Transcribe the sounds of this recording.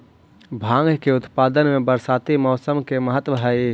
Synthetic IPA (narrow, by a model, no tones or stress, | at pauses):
bʱãːŋɡʱkeʊt̪paːd̪ənmẽbəɾsaːt̪imɔːsəmkeməɦət̪wəɦa